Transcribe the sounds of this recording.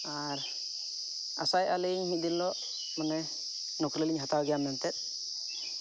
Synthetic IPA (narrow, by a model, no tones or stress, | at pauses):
a | ɾ | a̰sajalɛɲɦĩʔd̪inlɔ | manɛ | nɔkɾɛliɲɦat̪awɡɛjamnɛnt̪ɛt̪̚ˀ